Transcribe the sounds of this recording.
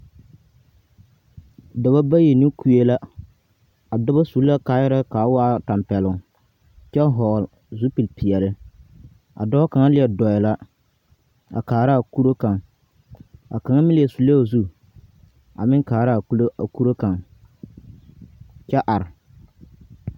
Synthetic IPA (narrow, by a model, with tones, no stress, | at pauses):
da˨ba˦ba˦je˨ni˦kʰu˨e˦la˦ | a˨dɔ˦ba˦su˨˦lːa˦kaː˨˦jɪ˦ɾa˦kaː˨˦waː˦ta˨mpɛ˨lʊ˨ŋ | t͡ʃɛ˦ɦɔː˨l | zu˦pi˨lpi˨ɛ˨lɪ˦ | a̰˨dɔ˦a˦ka˨ŋa˦lɪ˦jɛ˨dɔ˨jɛ˨la˦ | a̰˨kaː˨ɾa˦˨ku˦ɾo˦ka˨ŋ | a˨ka˨ŋa˦mɪ̃˦lɪ˨ɛ˨su˨lːa˦˨zu˦ | a̰˨mɪ˦ŋkaː˨ɾa˦a˨ku˦lo˦a˨ku˦ɾo˦ka˨ŋ | t͡ʃɛ˦ʔa˨ɾ